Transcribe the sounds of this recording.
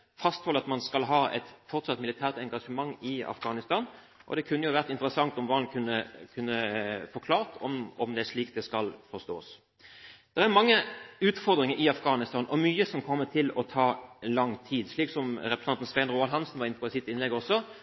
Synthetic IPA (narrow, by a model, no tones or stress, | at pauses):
fɑst̪hɔlɑt̪mɑnskɑlɦɑːɛ̰t̪fɔʁt̪sɑt̪ːmɪlɪt̪ʰæːʁt̪ɛŋɡɑʂəmɑŋːɪɑ̰fɡ̥ɑːnɪst̪ɑːn | ʔɔ̰d̪ɛkʰʉnːəjʊʋæʁt̪ɪnt̪əɾəsɑŋt̪ɔmʋɑːnkʰʉnːəkʰʉnːəfɔkʰlɑːʁt̪ʰɔ̰mɔmd̪ɛæʂɭiːk̚d̪ɛskɑlfɔst̪o̰ːs | d̪̥ɛʁæʁmɑŋːəʉːt̪fɔʁd̪ɾɪŋəɾɪɑfɡɑːnɪst̪ɑːnʔɔmyːəsɔmkʰɔmːət̪ʰɪlɔt̪ʰɑːlɑŋt̪ʰiːd̪ʂɭiːksɔmɾɛpɾəsɑnt̪n̩sʋɛɪnɾuːɑlɦɑnsnʋɑɾɪnəpʰɔɪsɪt̪ːɪnlɛɡəɔsːɔ